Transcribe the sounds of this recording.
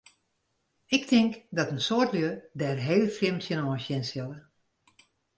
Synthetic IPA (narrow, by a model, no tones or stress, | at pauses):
ɪk̚tʰɪŋkdɔtənsoətljødɛrɦeːləfrɪmtjənɔːsjɪnsjəlˠə